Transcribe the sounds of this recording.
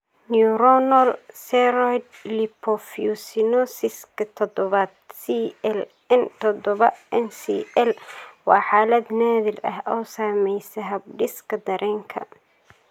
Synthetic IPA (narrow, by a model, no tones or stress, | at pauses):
niuɾɔnɐlsɛɾɔjd̪lipʰɔfiusɪnɔsɪskʰɐt̪ʰɔd̪ɔβɐd̪̚siɛl | ɛnt̪ʰɔd̪ɔβɐʔɛnsḭːʔɛlwɑːħaːlɐd̪naːðɪlɐ̰hʔɔːsaːmɛjsɐɦɐb̚ɖɪskʰɐd̪ɐɾʔɛːŋkʰɐ̰